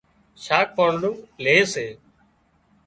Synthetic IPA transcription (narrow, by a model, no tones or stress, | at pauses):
ʃaːk̚pəːɳɖũːleːseː